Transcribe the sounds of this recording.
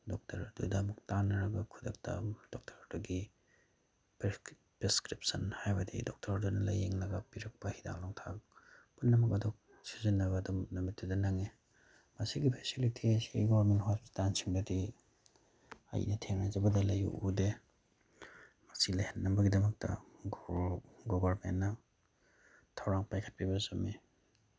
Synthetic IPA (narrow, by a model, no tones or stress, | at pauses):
dɔk̚tʰɐɾdudɐmɐk̚tanːɐɾɐɡɐkʰudɐk̚tʰɐ̰d̥ok̚tʰɐɾduɡi | p | pɾeskɾip̚sɐnhajbɐdḭdok̚tʰɐɾdunɐlɐjeŋnɐɡɐpiɾɐk̚pɐhida̰ŋloŋtʰakpunːɐmɐkɐdok̚ | sizinːɐbɐːdumnɐmitːudɐnɐŋe | mɐsiɡipʰesilitʰisḭɡobɐɾmenthotansiŋdɐdi | ɐ̰jḭnɐtʰeŋnajzɐbɐdɐlɐjṵʔude | mɐsilɐjhenːɐbɐɡidɐmɐk̚tɐ̰ɡ | ɡobɐɾmḛnːɐ | tʰawɾaŋpajkʰɐ̥t̚pʰibɐzumi